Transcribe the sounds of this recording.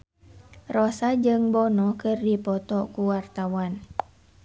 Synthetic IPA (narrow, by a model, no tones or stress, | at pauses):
rɔsad͡ʒɨŋbɔnɔkɨrdipɔt̪ɔkuwart̪awan